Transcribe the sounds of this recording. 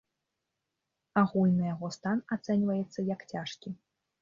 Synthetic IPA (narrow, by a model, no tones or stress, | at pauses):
aɣulʲnɨjaɣɔst̪anat̪sɛnʲvɐjɛt̪sːɐjɐkt͡sʲaʂkʲi